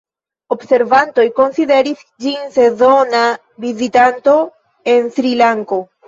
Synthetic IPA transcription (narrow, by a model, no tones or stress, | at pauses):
obse̞ɾvanto̞jko̞nside̞ɾis | d͡ʒinse̞zo̞na | vizitanto̞ | e̞nsɾilaŋko̞